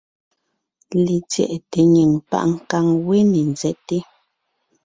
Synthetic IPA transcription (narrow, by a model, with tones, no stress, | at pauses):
li˨t͡sjɛ̰˨ʔte˨ɲe˨ŋpa̰˦ʔŋ̩˨ka˦˨ŋwe˦ne˨n˨d͡zɛ˦te˦